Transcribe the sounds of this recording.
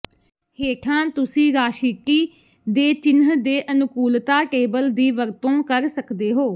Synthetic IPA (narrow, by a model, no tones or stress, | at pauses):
heːʈʰãːt̪ʊsĩːɾaːʃɪkiː | d̪eːt͡ʃɪnɦd̪eːʔənʊkuːlt̪aːkeːbəld̪iːʋəɾt̪õːkəɾsəkd̪eːɦoː